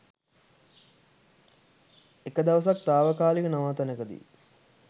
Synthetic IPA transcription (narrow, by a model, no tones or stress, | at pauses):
ekəd̪ɐʋəs̬ak̚t̪aːʋəkaːlikənɐʋaːt̪ɐnəkəd̪ḭ